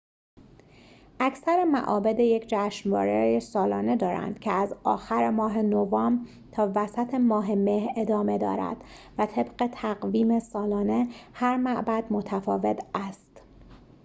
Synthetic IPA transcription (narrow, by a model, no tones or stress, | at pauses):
ʔæcʰsæɾemæ̰ʔɒːbed̪e̞je̞cʰd͡ʒæːʃnvɒ̰ːɾejesɒːlɒːne̞d̪ɒːɾæ̰nd̪̥cʰeæzɒːxæɾemɒːɦe̞novɒːm | t̪ʰɒːvæsæt̪ʰemɒːɦe̞mehɾe̞d̪ɒːme̞d̪ɒ̰ːɾæ̰d̪̥væt̪ʰe̞bɢe̞t̪ʰæɣviːme̞sɒːlɒːne̞hæɾmæʔbæd̪̥mo̞t̪ʰæfɒːve̞t̪ʰæst̪